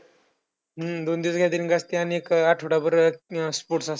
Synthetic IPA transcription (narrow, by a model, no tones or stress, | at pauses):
ɦəd̪ond̪iːsɡʱad̪iɾinɡast̪eaniekaʈʰoɽabəɾspoʈsas